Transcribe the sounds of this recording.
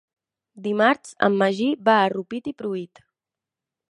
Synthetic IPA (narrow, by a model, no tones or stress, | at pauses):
d̪imaɾsə̰mːəʒibaːrupit̪ipɾuit̪